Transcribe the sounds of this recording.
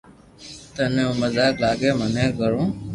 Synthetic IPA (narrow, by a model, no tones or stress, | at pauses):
t̪ənẽũːməzaːklaːɡeːmənẽːɡəɾõː